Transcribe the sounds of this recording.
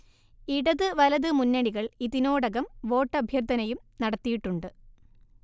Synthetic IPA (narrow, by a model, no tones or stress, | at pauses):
iɽɐðɨʋɐlɐðɨmunːɐɽiɣɐɭiðino̞ːɽɐɣɐmʋo̞ːʈːɐbʱjɐrt̪ɐnɐjumnɐɽɐt̪ːijiʈːuɳɖɨ